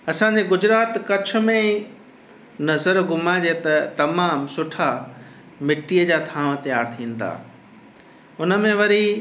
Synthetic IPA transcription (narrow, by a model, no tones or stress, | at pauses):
ɐsãɲd͡ʑeɡʊd͡ʑɾaːt̪kɐt͡ɕʰʊ̆mẽ | nɐzəɾɡʊmad͡ʑet̪ɐt̪ɐmaːmsʊʈʰa | mɪʈiːəd͡ʑaːt̪ʰãːʋ̃t̪ɐjaːɾt̪ʰĩːn̆d̪a̰ː | ʊnə̆mẽʋɐɾi